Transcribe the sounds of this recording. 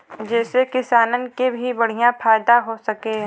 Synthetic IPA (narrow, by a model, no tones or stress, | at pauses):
d͡ʒɛːsekɪsaːnənkebʱibɐɽ̤ijãfaːjd̪aɦosɐkeɦɛ̃